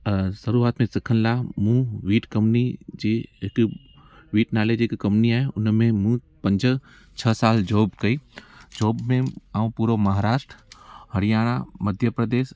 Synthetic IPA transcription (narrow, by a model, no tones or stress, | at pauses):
sɐɾuaːt̪mẽsɪkʰənɪlaːɦmũʋiːʈkɐ̃mnid͡ʑeːɦɪk | ʋiːʈnaːled͡ʑɪkkɐ̃mpniaːɦeʊnmẽmũ | pɐ̃ɲd͡ʑə̆ | t͡ɕʰɐsaːld͡ʑoːbkɐiːd͡ʑoːbmẽaːũpuːɾomɐɦaːɾaːʃʈɾəhɐɽijaːɽ̃a̰mɐd̪ʱjəpɾɐd̪eːs